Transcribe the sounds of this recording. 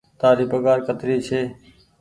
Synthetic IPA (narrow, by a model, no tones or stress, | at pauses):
t̪aːɾiːbəɡaːɾkət̪ɾiːt͡ʃʰeː